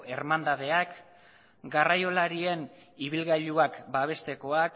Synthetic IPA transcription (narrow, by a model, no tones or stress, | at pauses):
eɾmand̪að̞e̞ak | ɡarajo̞laɾie̞n | iβilɣaʎuakbaβ̞e̞st̪e̞ko̞ak